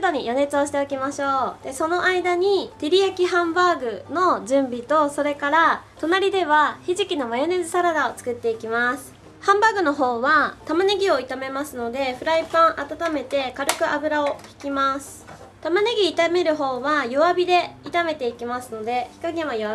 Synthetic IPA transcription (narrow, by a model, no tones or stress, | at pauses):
d̪o̞ɲ̟ijo̞ne̞t͡sɨoɕ̬i̥t̪e̞okʲimaɕo̞ːd̪̥e̞so̞no̞ʔaid̪aɲ̟it̪eɾʲijakʲiɦãmbaːɡɯ̟no̞ʑɨ̃mbʲit̪o̞so̞ɾe̞kaɾat̪o̞naɾʲid̪e̞βaçiʑikʲino̞majo̞ne̞zɨsaɾad̪aot͡sɨ̥kɯ̟t̪ːe̞ikʲimasɨ̥ | hãmbaːɡɯ̟no̞ɦo̞ːβat̪amaneɡʲio̞it̪ame̞masɨno̞d̪e̞ɸɯ̟ɾaipãɰ̃ʔat̪at̪ame̞t̪e̞kaɾɯ̟kɯ̟ʔabɯ̟ɾao̞kʲi̥kʲimasɨ̥ | t̪amaneɡʲiːt̪ame̞ɾɯ̟ɦo̞ːβajo̞βabʲid̪e̞it̪ame̞t̪e̞ikʲimasɨno̞d̪e̞çi̥kaɡẽajoβa